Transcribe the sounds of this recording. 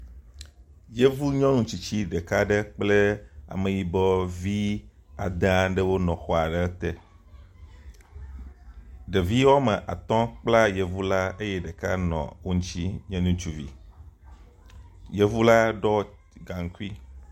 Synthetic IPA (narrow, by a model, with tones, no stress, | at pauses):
je˦vu˦ɲɔ̃˦nũ˦t͡ɕi˨t͡ɕi˦ɖe˨ka˦ɖe˦k͡ple˦a̰˨mẽ˨ji˦bɔ˦vi˦a̰˨d̪ã˦ɖɛ˦wo˦nɔ̃˨xɔ˦a˨ɖɛ˦t̪ɛ˦ | ɖe˨vi˦wɔ˦me˨ʔa̰˨t̪ɔ̃˦k͡pla˦je˨vu˦la˦e˦je˦ɖɛ˨ka˦nɔ̰̃˨wo˦ɲ̩˦t͡ɕi˦ɲɛ̃˦nũ˦t͡ʃu˦vḭ˨ | je˦vu˦la˦ɖɔ˦ | ɡa˨ŋ̩˨ku˦i˦